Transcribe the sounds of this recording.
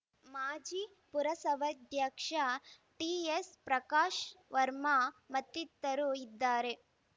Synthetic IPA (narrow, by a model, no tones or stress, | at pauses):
maːd͡ʒi | puɾɐsɐʋɐd̪ʱjakʂaʈiːespɾɐkaːʃʋɐɾmamɐt̪ːit̪ːɐɾuid̪ːaːɾe